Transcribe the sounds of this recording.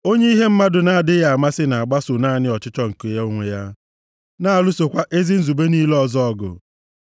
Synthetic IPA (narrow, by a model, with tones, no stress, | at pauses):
o˦ɲe˦i˦ɦe˦m̩˦ma˦dʊ˨na˦a˨dɪ˦ja˨a˨ma˦sɪ˦na˨a˨ɡ͡ba˦sʊ˨naː˦˨nɪ˦ɔ˨t͡ʃɪ˦t͡ʃɔ˦ŋ̩˨ko˨ja˦o˦ŋʷe˨ja˦ | na˦a˨lʊ˦so˨kʷa˦ʔe˦zi˦n̩˦zu˨be˦ni˦lɔ˦zɔ˦ɔ˦ɡʊ̰˨